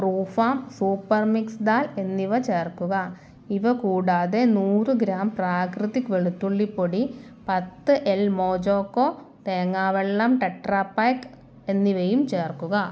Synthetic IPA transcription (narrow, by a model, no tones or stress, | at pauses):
pruːfaːmsuːpːɐrmiksd̪aːle̞nːiʋɐt͡ɕe̞ːrkuɣɐ | iʋɐkuːɽaːðe̞nuːrɨɡɾaːmpraːkrɨðikːʋeɭut̪ːuɭːipːoɽi | pɐt̪ːɨʔelmoːd͡ʑoːkːoː | t̪eːŋːaːʋeɭːaːmʈeʈːraːpːaːjk | e̞nːiʋejumt͡ɕe̞ːrkːuɣɐ